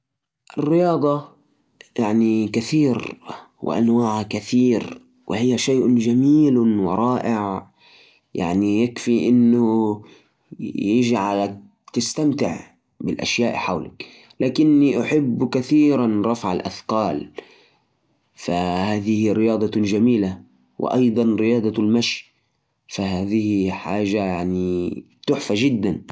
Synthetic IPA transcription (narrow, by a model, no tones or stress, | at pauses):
ʔɪrːɪjɑːd̪ˤɑ | jaʕnikaθiːɾ | wɪ̰ʔa̰nwaːʕkaθiːɾ | wɪ̰hɪjːaʃajːʔd͡ʒamiːlwɪɾˤɑːʔɪʕ | ja̰ʕnijakfiʔɪnːʊ | jɪʒʕal | t̪ɪst̪amt̪ɪʕ | bɪlʔa̰ʃjaːʔħawla̰k | laːkɪnːiʔʊħɪbːkaθiːɾanɾˤɑfʕa̰lʔa̰θqɑːl | fahaːðɪhiɾɪjɑːd̪ˤɑd͡ʒamiːla | wʔɪ̰ʔɑjd̪ˤɑnɾɪjɑːd̪ˤɑlmaʃj | fahaːðɪhħaːʒajaʕni | t̪ʊħfaʒɪd̪ːan